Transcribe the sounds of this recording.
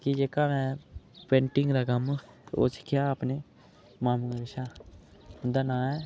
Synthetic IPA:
kid͡ʒekamɛ̃pẽːɳʈɪ̃ŋɡɾaɡam | o̰t͡ʃkijaːpne | maːmuɡɾɪʃa | ʊ̃nd̪anãːɛ

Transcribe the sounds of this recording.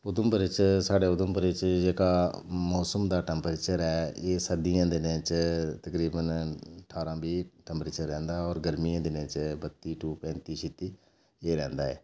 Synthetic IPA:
ʊd̪əmbəɾɪt͡ʃsaːɖeːʊd̪ʊmbəɾɪt͡ʃd͡ʒeːkaːmɔːsəmd̪aːʈɛːmpəɾeːt͡ʃəɾɛːeːsəd̪ɪjãːd̪ɪnẽːt͡ʃt̪əkɾiːbənəʈʰaːɾãːbiːʈɛ̃mpɾeːt͡ʃəɾːɛ̃ːnd̪aːɔːɾɡəɾmijãːd̪ɪnẽːt͡ʃbət̪ːiːʈuːpɛ̃ːnt̪iːʃɪt̪iː | eːɾɛ̃ːnd̪aːɛ̰ː

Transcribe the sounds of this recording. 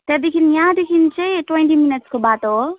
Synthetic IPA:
t̪jɛd̪ekʰinjãd̪ekʰint͡ʃeʈwẽɳʈiminəʈskobat̪o

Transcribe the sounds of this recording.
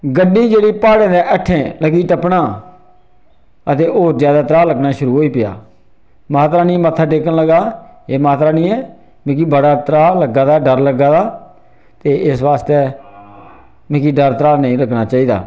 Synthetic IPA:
ɡəɖːiːd͡ʒeːɽiːpaːɽẽːd̪eːʔəʈʰːẽːləɡiːt̪əpnaː | ət̪eːʔoːɾzjaːd̪aːt̪əɾaːləɡnaːʃʊɾuːɦoːiːpɪja̰ː | maːt̪ɾaːnĩːmət̪ʰːaːʈeːkənləɡaːeːmaːt̪ɾaːnĩːɛː | mẽːk̬iːbəɽaːt̪əɾaːləɡaːd̪aːɖəɾləɡaːd̪aː | t̪eːʔɪsʋaːst̪eː | mẽːkiːɖəɾt̪əɾaːnəĩːɾəɡnaːt͡ʃaːiːd̪a̰ː

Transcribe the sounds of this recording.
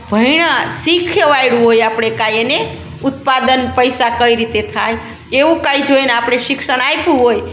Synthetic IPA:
bʱəiɽ̃asikʰjəʋajɽuɦojapɽ̃ekajene | ut̪pad̪ənpəjsakəiɾit̪et̪ʰaj | eũkaid͡ʒʱojnapɽ̃esiksəɽ̃ajpuɦoj

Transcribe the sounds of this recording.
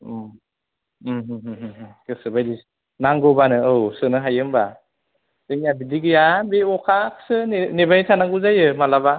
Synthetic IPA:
ɦɦɦɯɦkɯsɯbajdi | naŋɡɔbanɯɯwsɯnɯɦajɯmba | deŋjabidiɡɯjabeɔkʰaksɯnebanitʰanaŋɡuzajɯmalaba

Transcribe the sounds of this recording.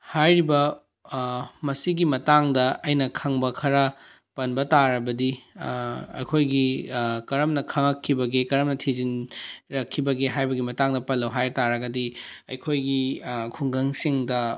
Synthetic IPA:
hajɾibɐ | mɐsiɡimɐtaŋdɐʔɐjnɐkʰɐŋbɐkʰɐɾɐ | pɐnbɐtaɾɐbɐdi | ɐ̰jkʰojɡikɐɾɐmnɐkʰɐŋɐkʰːibɐɡekɐɾɐmnɐtʰizinɾɐkʰːibɐɡeɦajbɐɡimɐtaŋdɐpɐlːɐwɦajtaɾɐɡɐdiɐjkʰojɡikʰuŋɡɐŋsiŋdɐ

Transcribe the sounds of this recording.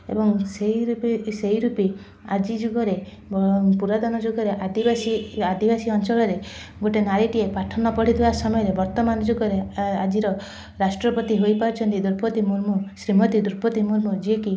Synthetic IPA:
ḛbɔŋseiseɦiɾupi | a̰d͡ʒid͡ʒuɡɔɾe | puɾad̪ɔnɔd͡ʒoɡɔɾeʔad̪ibasiad̪ibasiɔnt͡ʃɔɭɔɾe | ɡoʈenaɾiʈiepaʈʰɔnɔpɔɽ̤it̪ʰibasɔmɔjɔɾebɔɾt̪ɔmanɔd͡ʒoɡɔɾead͡ʒiɾɔ | ɾasʈɾɔpɔt̪iɦojpaɾut͡ʃʰɔnt̪id̪uɾpɔt̪imuɾmusɾimɔt̪id̪uɾpɔt̪imuɾmɔd͡ʒieki

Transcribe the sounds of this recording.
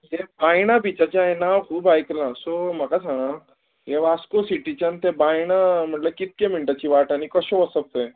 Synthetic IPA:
jebaːjñabʱit͡ʃat͡ʃaenaxuːbaːjklãsomɐkasʰana | jeʋaːskosiʈit͡ʃɐnt̪ebaːinamɐt̪ləb̚kit̪̚kemiɳʈat͡ʃiʋaːʈanikɔʃoʋɐsəb̚te

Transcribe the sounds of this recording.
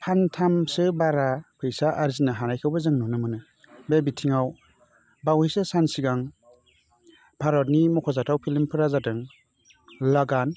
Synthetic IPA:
pʰantʰamsɯbaɾapʰɯjsaʔaɾzinaɦanajkʰɯwbazɯŋnɔnɯmɯnɯ | bebitʰiŋaw | bawhejsɯsansiɡaŋ | bʰʱaɾɔt̚nimɔkʰɔzatawpʰilimpʰɯɾazatɯŋ | laɡan

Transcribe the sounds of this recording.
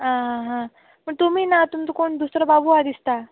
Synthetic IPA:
ɦãɦãɦã | m̤əɳt̪um̤iːnat̪umt͡sokoɳd̪usɾəbabuad̪ist̪a

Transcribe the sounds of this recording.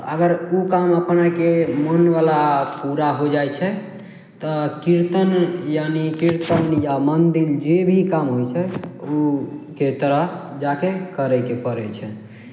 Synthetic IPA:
ə̰ɡəɾukaməpnakemənʋalapuɾaɦod͡ʒajt͡ʃʰɛ | t̪ɔkiɾt̪ənjanikiɾt̪ənjamənd̪ild͡ʒebʱikamɦojt͡ʃʰɛuket̪əɾəd͡ʒakekəɾɛjkepəɾɛt͡ʃʰɛ

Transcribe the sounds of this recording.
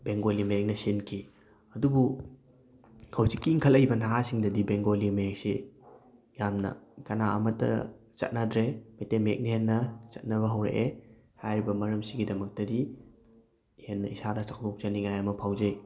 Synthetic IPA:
beŋɡolimɐjek̚nɐsinkʰi | ɐdubu | hɐwzikːiːŋkʰɐlɐjbɐnaɦasiŋdɐdibeŋɡolimɐjek̚se | jamnɐ̰kɐnaɐ̰mɐtɐ̰ | t͡ʃɐ̰t̚nadɾemejtemek̚nihenːɐt͡ʃɐt̚nɐβɐɦɐwɾḛʔe | hajɾibɐmɐɾɐmsiɡidɐmɐk̚tɐdi | henːɐisadɐsak̚ʰtok̚t͡ʃɐniŋajɐmɐpʰawzɐj

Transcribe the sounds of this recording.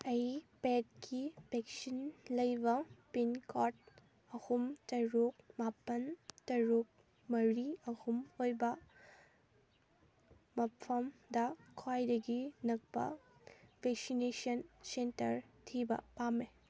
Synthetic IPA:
ɐjpet̚kʰipeksinlɐjbɐpinkʰɔt̚ | ɐhumtɐɾuk̚mapːɐntɐɾuk̚ | mɐɾiɐhumojbɐ | mɐpʰɐmdɐkʰajdɐɡinɐk̚pɐ̰bʱek̚sinesɐnsentɐɾtʰibɐ̰pame

